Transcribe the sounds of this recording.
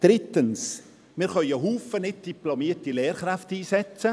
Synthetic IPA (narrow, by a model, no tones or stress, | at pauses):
d̥ɾɪtəns | mɪːɾχœʏəɦuːfənɪt̚d̥iplɔmiːətilɛːɾχɾaftiːsɛt͡sə